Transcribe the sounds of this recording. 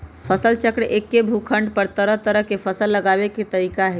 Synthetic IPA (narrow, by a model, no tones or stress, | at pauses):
pʰəsəlt͡ʃəkɽekːebʱukʰəɳɖpəɾt̪əɾəɦt̪əɾəɦkepʰəsəlːəɡabeket̪əɾikaɦe